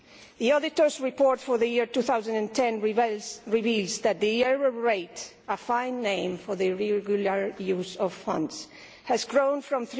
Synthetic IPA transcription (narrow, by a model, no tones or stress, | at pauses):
ðiɔdɪtəɹsɹipɔɹtfɔɹðɨjiɹtuθawzãnæ̃ntʰɛ̃n | ɹivilzðæt̪̚ðiɛɹəɹeɪt | əfãɪ̃nːẽɪ̃mfɔɹðɨɹɛɡjulaɹjuzɔv̥fʌ̰̃nds | hæzɡɹõʊ̃nfɹɔ̃mθ